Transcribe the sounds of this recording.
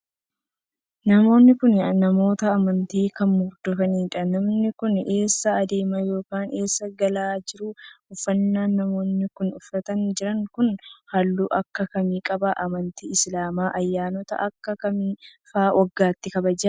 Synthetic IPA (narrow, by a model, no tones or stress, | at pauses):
nɐmo̞ːnːɪkʊnnɐmo̞ːt̪ɐːmɐnt̪iːkɐnmʊɾd̪ɔfɐniːᶑɐnɐmnɪkʊne̞ːsːɐːd̪e̞ːmɐjo̞ːkaːnʔe̞ːsːɐɡɐlaːd͡ʒɪɾʊʊfːɐnːaːnːɐmo̞ːnːɪkʊnʊfɾɐt̪ɐnd͡ʒɪɾɐŋkʊnhɐlːuːʔɐkːɐkɐmiːkʼɐbɐʔɐmɐnt̪iːɪslaːmaːʔɐjːaːnɔt̪ɐ̰ʔɐkːɐkɐmiːfaːwʔɐɡːaːt̪ːɪkɐbɐd͡ʒɐ